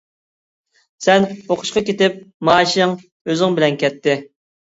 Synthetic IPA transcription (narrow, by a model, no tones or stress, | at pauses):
sɛnoqʰʊ̥ʃqɑkʲet̪ɪp̚mɑːʃŋ | øzɪŋbɪlɛnkʲɛt̪ʰːɪ